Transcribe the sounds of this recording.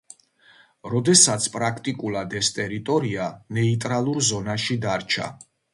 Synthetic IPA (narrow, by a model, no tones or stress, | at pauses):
ɾɔd̪ɛsat̪sʰpʼɾakʰt̪ʼikʼulˠad̪ɛst̪ʼɛɾit̪ʼɔɾianɛit̪ʼɾalˠuɾzɔnaʃid̪aɾt͡ʃʰa̰